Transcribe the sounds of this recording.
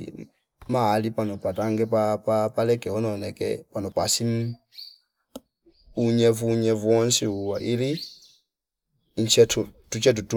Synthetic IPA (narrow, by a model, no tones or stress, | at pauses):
malipanɔpataŋɡɛpapapalɛkɛɔnɔnɛkɛ̰panɔpasim | uɲɛvuɲɛvwɔnsiuwaʔiɾi | ɲt͡ʃɛtutut͡ʃɛt̬utu